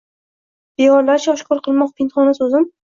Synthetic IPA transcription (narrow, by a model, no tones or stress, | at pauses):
b̥eɒɾlaɾʃaɒʃkʰʊɾqʰɨlˠmɒq̚p̪ʰɪnt̪χɒnasɵzɪm